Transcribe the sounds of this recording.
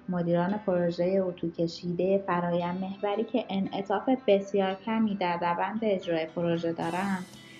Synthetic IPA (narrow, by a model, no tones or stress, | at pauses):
mo̞d̪iːɾɒːne̞pʰo̞ɾoʒeje̞uːt̪ʰuːcʰe̞ʃiːd̪e̞jefæɾɒːjænme̞hvæɾiːcʰe̞ʔenʔe̞t̪ʰɒːfe̞be̞sjɒːɾcʰæmiːd̪æɾːævænd̪be̞ːd͡ʒɾɒːjepʰo̞ɾoʒe̞d̪ɒːɾænd̪̥